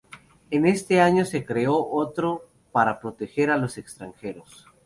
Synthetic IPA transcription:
ene̞st̪e̞aɲo̞se̞kɾe̞o̞ʔot̪ɾo̞ | paɾapɾo̞t̪e̞xe̞ɾalo̞se̞kst̪ɾaŋxe̞ɾos

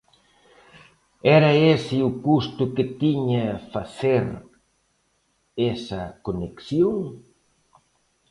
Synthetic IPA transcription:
ɛɾɐesɪukust̪ʊket̪iɲɐfaseɾ | esɐkoneksjoŋ

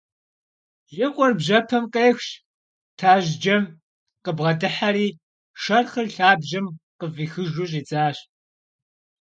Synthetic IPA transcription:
ʒɪqʷʼɔrbʑɐpʰɐmqeːxɕ | tʰaːʒd͡ʒɐm | qəbʁɐdɨħaɾiː | ʃɐrχɨrɬaːbʒɐmqəviːxɨʒuːɕ̬ʼiːt͡sʼaːɕ

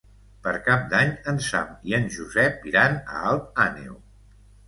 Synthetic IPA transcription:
pəɾkap̚d̪aɲənsa̰miənʒuzɛpːiɾanə̰alˠt̪anḭṵ

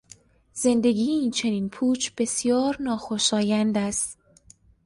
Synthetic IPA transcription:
z̥e̞nd̪e̞ɡiːeiːnt͡ʃʰe̞niːnpʰuːt͡ʃʰb̥e̞sjɒːɾnɒːxo̞ʃɒːjænd̪æst̪

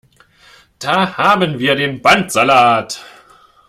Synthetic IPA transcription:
d̥aːhaːbənviːɐdeːnbantz̥alaːt

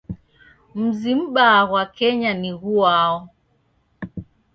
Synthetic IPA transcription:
m̩zim̩ɓaːɣwakɛɲaniɣuaɔ

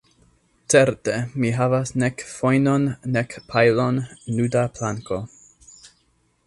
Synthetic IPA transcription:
t͡seɾtemiɦavasnekfojnonːekpʰajlonludaplaŋko̞

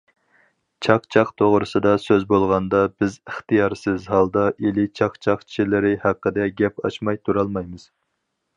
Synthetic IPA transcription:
t͡ʃʰɑqt͡ʃʰɑqt̪ʰoʁɾɨsɨd̪ɑsøzbolˠʁɑnd̪ɑbɪzəχt̪ɨjɑɾsɪzɦɑlˠd̪ɑʔelɪt͡ʃʰɑqt͡ʃʰɑqt͡ʃʰi̥ʃilɪɾɪhæqːəd̪ɛɡʲɛpɑ̰ʃmɑjt̪ʰuɾɑlˠmɑjmɨz̥

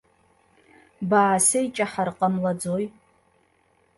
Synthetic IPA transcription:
baʕsejt͡ʃʼaħarqʼamlad͡zoj

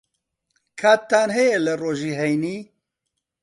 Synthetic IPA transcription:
kʰaːt̪ːaːnɦɛjelɐroːʒiːɦɛjniː

